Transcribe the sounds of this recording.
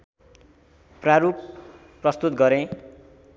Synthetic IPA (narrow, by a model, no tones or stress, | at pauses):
praɾup | pːrʌst̪ut̪̚ɡʌɾẽ